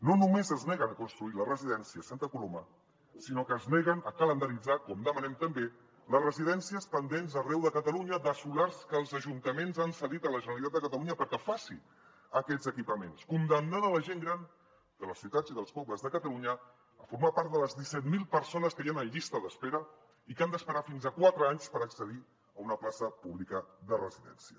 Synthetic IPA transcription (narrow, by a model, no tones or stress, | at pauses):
nonumezəznɛɣənəkunst̪ɾuilərəziðɛnsiəsant̪əkuloma̰ | sinokəːznɛɣənəkələnd̪əɾid͡zakɔmd̪əmənɛmt̪əmbe | ləsrəziðɛnsiəspənd̪enzərɛwðəkət̪əluɲəðəsulaɾskəlˠzəʒunt̪əmenzansəðit̪ələʒənəlit̪at̪əkət̪əluɲəpəɾkəfasḭ | əkɛzəkipəmenskund̪əmnanələʒeŋɡɾan | d̪̥ələsiut̪ad͡ziðəlˠspɔbləzðəkət̪əluɲəː | fuɾmapaɾt̪d̪ələzðisɛt̪̚milˠpəɾsonəskəjanəʎist̪əðəspeɾə | ikand̪əspəɾafinzakwat̪ɾəaɲspəɾəksəði | əunəplasəpuβlikəðərə̰ziðɛ̰nsiə